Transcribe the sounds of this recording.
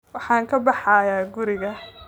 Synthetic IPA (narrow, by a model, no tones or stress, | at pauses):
wɑħɑːŋkʰɐbɑħɑːjaːɡʊɾɪɣɐ